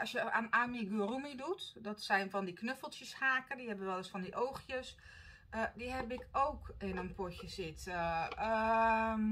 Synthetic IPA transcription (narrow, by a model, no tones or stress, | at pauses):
ɔsjəanamiɡuərumidutdɔtsɛjnfɔndiknøfəlˠtjəshaːkədihɛbəʋɛlˠɪsfɔndiʔowxjəs | ədihɛbɪkʰowkɪnənpʰocjəsɪtəə